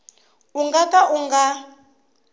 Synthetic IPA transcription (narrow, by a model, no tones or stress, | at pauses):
uŋɡakaʔuŋɡa